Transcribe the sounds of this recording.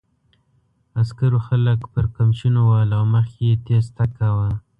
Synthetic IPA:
askaɾoxaləkpəɾkamʃunowɑlɑməxet̪est̪akawa

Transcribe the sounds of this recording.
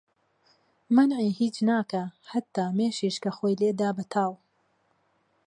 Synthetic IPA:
mɐnʕiːhiːt͡ʃnaːkɐhɐt̪ːaːmeːʃiːʃkɐxoːjleːd̪aːbɐt̪ʰaːw

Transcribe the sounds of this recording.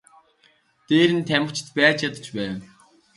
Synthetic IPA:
t̪eːɾɘ̆nt̪ʰæmə̆kt͡ɕʰɪ̥̆t̪pæːt͡ɕjat̪ə̥̆t͡ɕpæːw

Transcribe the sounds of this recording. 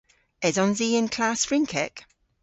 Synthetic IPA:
ɛzɔ̃nziːɪ̃nkʰl̥aˑsfɹɪ̃ŋkʰɛk

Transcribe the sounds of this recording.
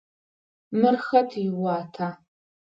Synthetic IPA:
mɨrxɐtʰɪwɑːtʰaː

